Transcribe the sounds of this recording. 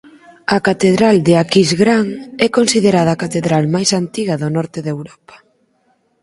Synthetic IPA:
ɐkat̪eðɾald̪eakizɣɾaŋɛkonsiðeɾaðɐaːkat̪eðɾalmajsant̪iɣɐðonɔɾt̪eðewɾɔpɐ̥

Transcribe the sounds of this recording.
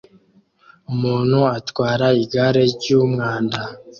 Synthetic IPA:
umuːn̥huatwaːɾaiɡaɾe̞ɟuːmŋaːnda

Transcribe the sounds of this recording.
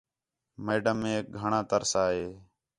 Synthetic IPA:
meːɖəmːẽːk̚ɡʱəɳãːt̪əɾsaːɦeː

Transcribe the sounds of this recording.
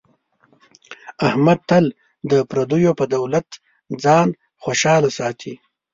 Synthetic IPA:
ahmad̪̚t̪al | d̪əpɾad̪ujopəd̪awlat̪ | d͡zɑːn | xoʃɑːlasɑːt̪ʰi

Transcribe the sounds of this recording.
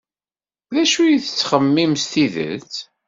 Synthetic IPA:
ðæʃujiθət͡sːχəmːimst̪iðə̰t͡s

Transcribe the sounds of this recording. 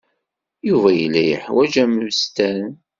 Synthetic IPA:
juvæjəlːæjəħwæd͡ʒæmvst̪æn

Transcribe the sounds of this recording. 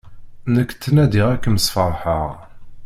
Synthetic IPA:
nəkːt̪ːənæd̪iʁækːəməsfəɾˤħəʁ

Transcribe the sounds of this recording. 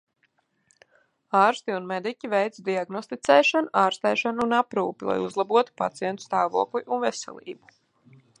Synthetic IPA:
aːɾst̪iunmed̪icʲivɛjt̪sd̪iaɡnɔst̪it̪sɛːʃanʔaːɾst̪ɛːʃanunapɾuːpilˠa̰juzlˠabuɔt̪u̥pa̰t̪sijɛnt̪u̥st̪aːvṵɔklˠiʔunvɛsɛ̰lʲˠḭːbu̥

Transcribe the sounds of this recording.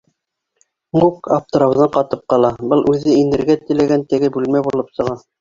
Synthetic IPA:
mukap̚t̪ŏɾɑ̆wðɤɴqɑt̪ɤp̚qɑlˠɑbɤlˠʔʉðɘinɘ̆ɾɡæt̪ɘ̆læɡænt̪ɘ̆ɡɘbʉlmæjbulˠɤpsɤ̆ʁɑ

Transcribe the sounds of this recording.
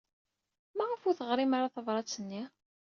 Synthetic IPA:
mæʁəfʊɾθəʁɾimaɾaθəvɾˤɑt͡sːənːi

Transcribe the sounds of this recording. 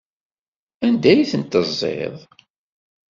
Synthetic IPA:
ænd̪æjiθənt̪əzˤːḛðˤ

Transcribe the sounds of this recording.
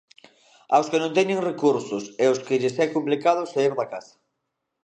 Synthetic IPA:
awskenõnt̪̬ɛɲeŋrekuɾsʊseʊskɪʎɪsɛkomplikaðʊsaiɾðakasḁ

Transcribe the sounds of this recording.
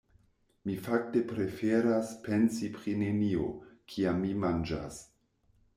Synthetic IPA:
mifak̚te̞pɾe̞feɾaspensipɾine̞nio̞kʰiamːimand͡ʒa̰s

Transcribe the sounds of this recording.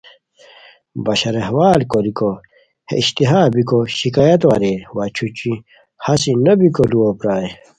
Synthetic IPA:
bɐɕɐɾeɦwaːlkoɾiko | hḛiɕt̪iɦaːbikoɕikaːjɐt̪wa̰ɾewɐt͡ɕʰut͡ɕi | hɐsinɐbikoluwopɾaːe

